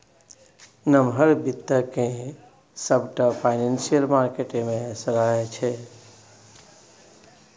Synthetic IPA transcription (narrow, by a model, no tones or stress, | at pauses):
nəmɦəɾbit̪ːəkẽ | səbʈəpʰaɪnensijəlmaɾkeʈemẽsəɾaet͡ʃʰɛ